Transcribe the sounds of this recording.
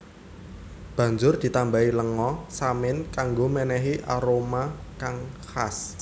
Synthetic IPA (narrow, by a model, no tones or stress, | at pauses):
b̥ä̤ɲd͡ʒʊrd̪̥i̤t̪ambailəŋɔsamɪnkaŋɡomɛnɛɦiʔaɾomakaŋhas